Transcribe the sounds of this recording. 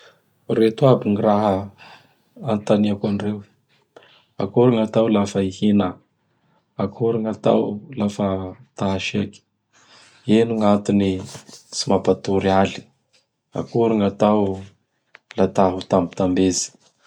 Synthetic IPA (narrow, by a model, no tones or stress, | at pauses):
ret̪uabiŋiɾaɦə | ant̪aniakanirew | a̰kuɾaŋat̪awlafəihina | akʰuɾaŋat̪a̰wlafət̪aaʃeki̥ | enuŋat̪unit͡simapat̪uɾiali̥ | a̰kuɾiŋat̪aw | lat̪aɦut̪ambi̥t̪ambezi̥